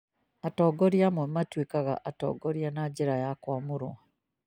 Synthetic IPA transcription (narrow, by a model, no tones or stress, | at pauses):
atoːɡoɾjamemːatwikaɣa̰ʔatɔ̰ːɡoɾjanaɟiɾajakwamuɾwa